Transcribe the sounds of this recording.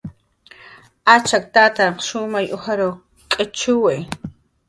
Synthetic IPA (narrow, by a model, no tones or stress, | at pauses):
at͡ʃak̚t̪aːt̪aɾqʃʊmajʔʊhaɾow | kʼɪt͡ʃʊwej